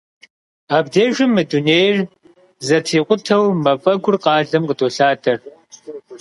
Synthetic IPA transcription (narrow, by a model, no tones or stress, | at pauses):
aːbdeːʒɪmːɨduneːjr | zɐtʰiːqʷʊtʰɐwmɐfʼɐɡʷʊrqɑːɮɐmqədʰʼoːɬaːdʰʼɐr